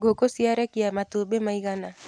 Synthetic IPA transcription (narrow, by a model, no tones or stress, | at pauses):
ɡʱokosiaɾɛkijamat̪obemajɡana